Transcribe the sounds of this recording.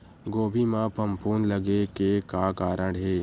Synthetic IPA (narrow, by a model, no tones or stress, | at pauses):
ɡoːbʱimãpʰɐmpuːnlɐɡekekaːkaːɾə̃ɽɦeː